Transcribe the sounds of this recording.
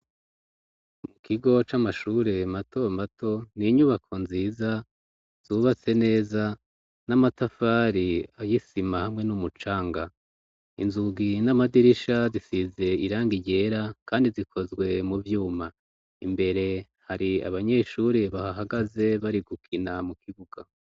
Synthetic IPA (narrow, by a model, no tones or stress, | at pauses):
mukʰiɡo̞t͡ʃamaʃuɾe̞matʰo̞matʰo̞niɲuβakʰo̞nziːza | z̥uβat͡se̞ne̞ːza | namatafaɾiajisimahamŋe̞numut͡ʃaːŋɡa | ḭnzuɡinamadiɾiʃazisize̞iɾaːŋɡiɟe̞ɾakʰaːndizikʰo̞zɡwe̞muvjuːma | imbe̞ɾe̞ | haɾia̰βaɲe̞ʃuɾe̞βahaɦaɡaze̞βaɾiɡukʰinamukiɡuɡ̥a